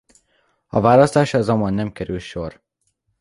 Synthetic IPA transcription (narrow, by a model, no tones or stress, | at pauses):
ɒvaːlɒst̪aːʃɒzɒmɒnːɛmkɛɾylʃor